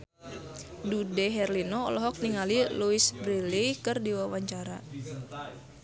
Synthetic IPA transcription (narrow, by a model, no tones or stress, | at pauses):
dudɛɦɛrlinɔ̰ːlɔɦɔk̚niŋaliluisbɾilikɨrdiwawaɲt͡ʃaɾa